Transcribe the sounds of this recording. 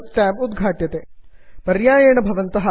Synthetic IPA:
ʈaːbud̪ɡʱaːʈjɐt̪eːpɐɾjaːjɐːɳɐbʱɐʋɐnt̪ɐɦɐ

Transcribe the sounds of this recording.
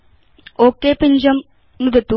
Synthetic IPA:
oːkːeːpiɲd͡ʑɐm | nuðɐt̪ːu

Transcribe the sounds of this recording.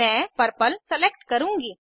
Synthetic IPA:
ɛ̃ːpəɾpəlsəleːk̚ʈkəɾũːŋɡiː

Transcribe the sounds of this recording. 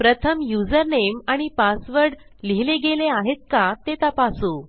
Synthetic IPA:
pɾət̪ʰəmjud͡zəɾnemaɽ̃ipasʋəɾɽ | liɦleɡeleaɦet̪̚kat̪et̪apasu

